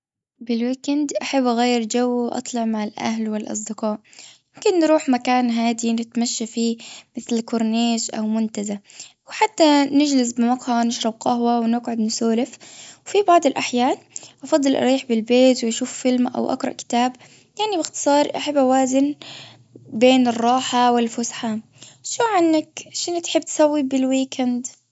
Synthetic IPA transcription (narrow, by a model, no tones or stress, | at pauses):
bɪlwiːkɪnd̪ʔaħabːʔaɣajːɾd͡ʒawːwʔɑ̰t̪ˤlɑʕmaʕɪlʔa̰hlwɪlʔɑ̰s̬ˤd̪ɪqɑːʔmɪmkɪnːɾuːħmakaːnɦaːd̪inɪt̪maʃːafiːmɪθlkʊɾˤneːd͡ʒʔa̰wmʊnt̪azawħat̪ːanɪd͡ʒlɪs̬bɪmɑqhanɪʃɾˤɑbqɑɦwawnɪqʕʊd̪nɪsoːlɪfwfibɑʕd̪ˤɪlʔaħjaːnʔɑfɑd̪ˤːɨlʔɑ̰ɾiːħbɪlbeːt̪wɪʔaʃuːffɪlmaʔa̰wʔa̰qɾˤɑ̰ʔkɪ̥t̪aːb | jaʕnibɪxt̪ɨ̥sˤɑːɾˤʔaħabːawaːzɪn | beːnɨrˤːɑːħawɪlfʊsħa | ʃuːʕanːakʃɪnat̪ħɪbːt̪ɪ̥sawːibɪlwiːkʰand̪